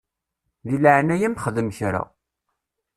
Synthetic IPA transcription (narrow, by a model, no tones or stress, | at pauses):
ðiləʕnæjæmχəðəmçɾa̰